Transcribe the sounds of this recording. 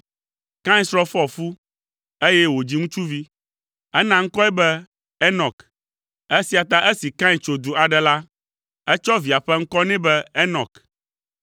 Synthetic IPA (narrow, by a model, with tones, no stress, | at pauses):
kã˦ĩ˦sɾɔ˦fɔ˦fu˦ | e˦jɛ˦wo˨d͡ʑi˦ŋũ˦t͡ʃu˦vi˦ | ɛ˦nã˨ŋ̩˦kɔ˦ɛ˦bɛ˦ | ɛ˦nɔ˨k | ɛ˦si˨a˨t̪a˦ʔɛ˦si˨kã˦ĩ˨t͡ʃo˨d̪u˨a˨ɖɛ˨la˦ | ɛ˦t͡ʃɔ˦vi˨a˨ɸɛ˦ŋ̩˦kɔ˦nɛ̃˦bɛ˦ɛ˦nɔ˨k